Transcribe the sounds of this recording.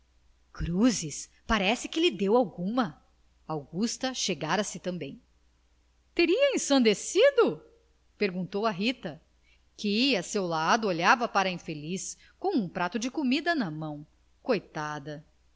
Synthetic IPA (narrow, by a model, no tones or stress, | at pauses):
kɾuzɪs | paɾɛsɪkɪlɪd̪ewawɡũmɐ | awɡust̪ɐʃeɡaɾɐsɪt̪ɐ̃mbẽj̃ | t̪eɾiɐẽsɐ̃nd̪esid̪ʊ | peɾɡũnt̪owɐɦit̪ɐ | kɪasewlad̪ʊoʎavɐpaɾɐĩfelis | kõw̃ũpɾat̪ʊd͡ʒɪkomid̪ɐnɐmɐ̃w̃ | kojt̪ad̪ɐ